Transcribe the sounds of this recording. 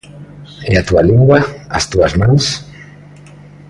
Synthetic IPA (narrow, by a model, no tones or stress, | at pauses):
eat̪ualiŋɡwaa̰st̪uazmãns